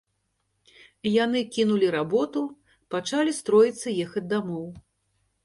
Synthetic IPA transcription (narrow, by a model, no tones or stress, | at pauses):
janɨkʲinulʲiɾabɔt̪u | pat͡ʂalʲist̪ɾɔjit̪sːɐjɛxɐd͡zʲd̪amɔw